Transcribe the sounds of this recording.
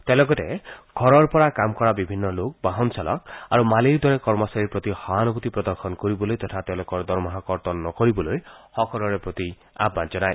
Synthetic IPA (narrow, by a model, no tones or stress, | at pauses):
t̪elɔɡɔteɡʱɔɾɔɾpɔɾakamkɔɾabibʱinːɔlok̚baɦɔnsalɔ̰kaɾumaliɾd̪ʱwɔɾekɔɾmɔsaɾiɾpɾɔt̪ihɔanɔbut̪ipɾɔd̪ɔɾxʰɔnkɔɾibɔlojt̪ɔt̪ʰat̪elɔkɔɾd̪ɔɾmɔɦakɔɾt̪ɔnːɔkɔɾibɔlojhɔkɔɾɔɾepɾɔt̪i | a̰bːand͡ʒɔnaj